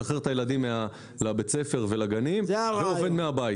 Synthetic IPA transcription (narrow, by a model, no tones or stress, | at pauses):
aχeʁt̪ajeladimːea | labet͡se̞fe̞ʁvelaɡanimveove̞d̪meabaj